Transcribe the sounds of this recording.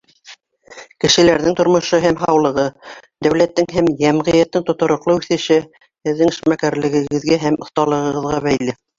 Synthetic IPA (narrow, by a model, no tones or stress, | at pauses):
kɘ̆ʃɘ̆læɾðɘŋt̪ŏɾmŏʃoɦæmɦɑwlˠɤ̆ʁɤd̪æwlæt̪ːɘŋɦæmjæmʁɤ̆jæt̪ːɘŋt̪ŏt̪ŏɾŏqlˠɤʉθɘ̆ʃɘ | hɘ̆ðːɘŋɘ̆ʃmækæɾlɘ̆ɡɘ̆ɡɘ̆ðɡæɦæmŏθt̪ɑlˠɤ̆ʁɤ̆ʁɤ̆ðʁɑβæjlɘ